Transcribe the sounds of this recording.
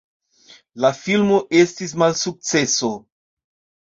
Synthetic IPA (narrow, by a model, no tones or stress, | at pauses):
lafilmo̞ʔe̞stis̬malsuk̚t͡se̞so̞